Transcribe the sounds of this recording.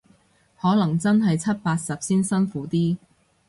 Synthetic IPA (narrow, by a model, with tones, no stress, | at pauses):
hɔː˨˥lɐ˨˩ŋt͡sɐ˥nɦɐ˨jt͡sʰɐ˥t̚paː˧t̚sɐ˨p̚siː˥nsɐ˥nfuː˨˥t̪iː˥